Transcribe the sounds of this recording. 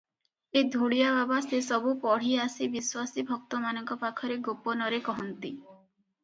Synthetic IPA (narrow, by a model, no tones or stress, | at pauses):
ed̪ʱuɽijababasesɔbupɔɽ̤iasibiswasibʱɔk̚t̪ɔmanɔŋkɔpakʰɔɾeɡopɔnɔɾekɔɦɔnt̪i